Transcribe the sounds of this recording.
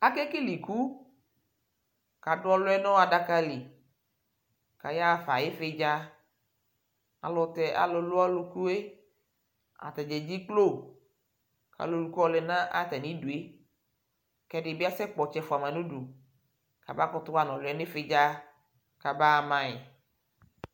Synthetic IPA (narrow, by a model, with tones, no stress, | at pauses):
a˦kɛ˦ke˦li˨ku˦ | ka˨ɖʊ˦ɔ˦lʊ˦ɛ˦nɔ̃˦wa˨da˦ka˦li˨ | ka˨ja˦˨fa˨je˦fe˦d͡ʒa˦ | a̰˨lɔ˨t̪ɛ˨ʔa̰˨lo˨lo˦a˦lo˨ku˦e˦ | a̰˨t̪ɛ˨d͡ʒɛ˨d͡ʑi˦k͡plo˦˨ | ka̰˨lo˨lu˨ku˦ɔ˦le˨nã˦ʔa˦t̪ɛ˨nĩ˦ɖu˨e˦ | kɛ˦ɖe˨bi˦a˦sɛ˦k͡pɔ˨t͡ʃɛ˦fo˨a˨mã˨nũ˦ɖu˨ | ka˨ba˦kɔ˦t̪o˦wa˦nɔ̃˨lʊ˨˦ɛ˦nẽ˦fe˦d͡ʒa˦ | ka˨ba˦˨mã˦e˨